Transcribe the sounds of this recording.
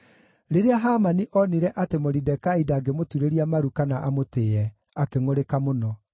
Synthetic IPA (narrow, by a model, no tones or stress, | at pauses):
ɾeɾeaɦamaniʔɔniɾɛʔatemoɾidɛkaidaːɡemotuɾeɾiamaɾukanaʔamoteːɛ | akeŋoɾekamonɔ